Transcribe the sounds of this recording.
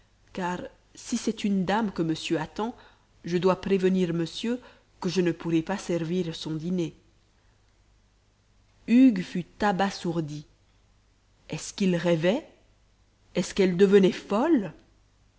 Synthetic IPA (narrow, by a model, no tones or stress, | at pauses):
kaːʁ | sisɛt̪ynd̪amkəməsjøat̪ɑ̃ | ʒəd̪wapχevəniʁməsjø | kəʒənəpuʁɛpasɛʁviʁsɔ̃d̪ine | yɡfyt̪abasuʁd̪i | ɛskilʁɛvɛ | ɛskɛld̪əvənɛfɔl